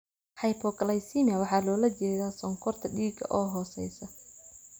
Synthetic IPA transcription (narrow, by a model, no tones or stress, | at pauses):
ħɑjpʰɔkʰɐlajsimiɐwɑħɑːlɔːlɐt͡ʃɛːðaːsɔŋkʰɔrt̪ʰɐɖiːɡɐ̰ʔɔːɦɔːsɛ̰jsɐ